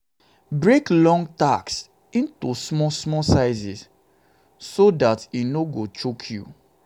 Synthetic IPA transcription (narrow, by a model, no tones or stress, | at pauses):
bɹeklɔ̃ŋɡtaks | ĩntusmɔsmɔsaɪzis | sodatinoɡot͡ʃokʰjṵ